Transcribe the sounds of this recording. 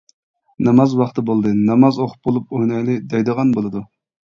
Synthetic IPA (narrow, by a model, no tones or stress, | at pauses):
nɑmɑzwɑχt̪ɨbolˠd̪ɨnɑmɑzoχʰʊ̥p̚bolˠup̚ojnɑjlˠɨd̪ɛjd̪əʁɑnbolˠɨd̪u